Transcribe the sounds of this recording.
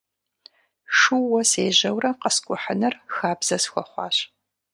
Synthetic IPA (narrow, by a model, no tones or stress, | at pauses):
ʂuːɔseːʑɐwrɐqəskʷʼʊħənɐrxaːbz̥ɐsxʷɔχʷɑ̰ːɕ